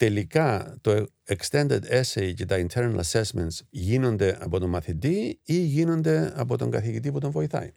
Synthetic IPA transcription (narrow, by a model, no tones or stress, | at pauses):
t̪elikat̪o | ekst̪e̞nd̪ed̪esejcet̪aint̪ʰeɾna̰lɐsesment̪sʝino̞nd̪e̞ʔɐpot̪omɐθit̪iiʝino̞nd̪e̞ɐpo̞t̪o̞ŋɡɐθicit̪̬iput̪oɱvo̞iθa̰jn